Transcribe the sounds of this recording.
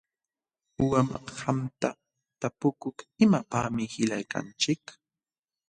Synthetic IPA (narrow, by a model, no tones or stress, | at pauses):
ʊwamhamt̪a | t̪apʊkʊkɪmapaːmɪhɪʎajka̰nt͡ʃɪk